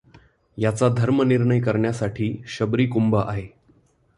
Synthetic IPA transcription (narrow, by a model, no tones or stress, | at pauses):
jat͡sad̪ʱəɾməniɾɳəjkəɾɳjasaʈʰiːɕəbɾiːkumbaʔaɦe